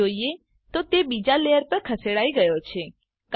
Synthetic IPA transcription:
oie | t̪ot̪ebid͡ʒalejəɾpəɾkʰəseɽaiɡəjot͡ʃʰe | k

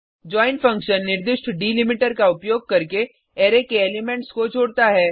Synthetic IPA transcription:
d͡ʒɔːɪnfɐ̃ŋkʃənːɪɾd̪ɪʃʈʰɖiːlɪmɪʈəɾkaʊpjoːɡ̚kɐɾke | eːɾekeeːlɪmẽɳʈskot͡ʃʰoːɽt̪aɦɛː

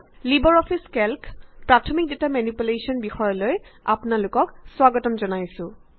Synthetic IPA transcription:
libɔɹɔpʰiskɛlkpɹatʰɔmik̚detamanipulesɔnbixɔjɔloja̰pnalʊkɔkswaɡɔtɔmzɔnajsʊ̃

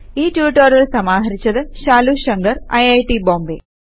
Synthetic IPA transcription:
iːʈjuːʈːɐɾiɭsɐmaːɦɐɾit͡ɕːɐðɨʃaːluɕɐŋɡɐɾɐjɐjʈiboːmbḛː

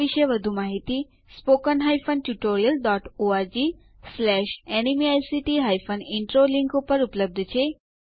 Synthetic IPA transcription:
iʃəʋəd̪ʱumaɦit̪i | spokənɦajfənʈuʈoɾijəlɖɔʈoaɾd͡ʒi | slɛʃɛnimiajsiʈiɦajfəniɳʈɾoliŋkupəɾupləb̚d̪ʱt͡ʃʰe

